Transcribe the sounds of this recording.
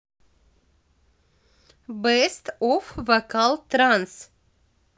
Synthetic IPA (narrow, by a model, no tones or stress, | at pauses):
bɛst̪ɔfvɐkalˠt̪ɾãns